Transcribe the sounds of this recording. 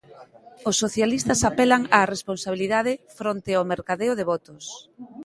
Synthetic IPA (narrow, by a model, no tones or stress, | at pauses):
osːoθjalist̪ɐsapɛlaŋaːresponsaβ̞iliðaðɪfɾont̪ɪameɾkaðeʊðeβɔt̪ʊs